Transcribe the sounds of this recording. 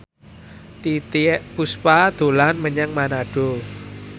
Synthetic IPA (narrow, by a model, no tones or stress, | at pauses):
t̪it̪puspad̪̥o̤lanməɲaŋmanaɖ̥o